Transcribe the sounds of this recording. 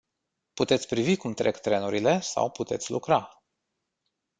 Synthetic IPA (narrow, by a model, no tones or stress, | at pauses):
put̪e̞t̪sʲpɾivikumt̪ɾʔe̞kt̪ɾe̞nuɾile̞sa̰wput̪e̞t̪sʲlukɾa